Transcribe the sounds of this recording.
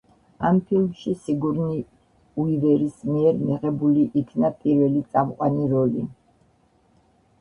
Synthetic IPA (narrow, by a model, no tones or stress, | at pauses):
ampʰilmʃisiɡuɾni | uivɛɾismiɛɾmiʁɛbuliʔikʰnapʼiɾvɛlit̪sʼamqʼwaniɾɔli